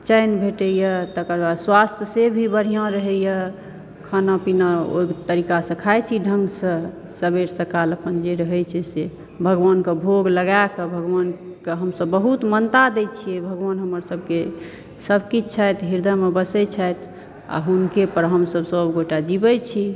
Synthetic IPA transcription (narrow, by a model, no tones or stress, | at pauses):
t͡ʃəjnbʱeʈəjət̪əkəɾbad̪swast̪ʰjəsebʱibəɾ̤ijãɾəɦɛjə | kʰanãpinao̰t̪əɾikasə̃kʰajt͡ʃʰiɖʱəŋɡsə̃ | səbeɾsə̃kaləpənd͡ʒeɾəɦɛjt͡ʃʰɛse | bʱəɡʋankebʱoɡləɡajkəbʱəɡʋankeɦəmsəbːəɦut̪mənt̪ad̪ɛt͡ʃʰijɛbʱəɡʋanɦəməɾsəb̚ke | səbʱkit͡ʃt͡ʃʰajt̪ɦiɾd̪amebəsɛt͡ʃʰajt̪ʰ | a̰ɦunkepəɾɦəmsəbsəbɡoʈad͡ʒibət͡ʃʰi